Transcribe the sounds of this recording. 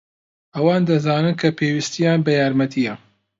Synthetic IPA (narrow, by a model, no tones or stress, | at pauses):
ʔɐwaːnd̪ɐzaːnɨnkʰɐpʰeːwist̪ijaːnbɐjaːɾmɐt̪ʰijɐ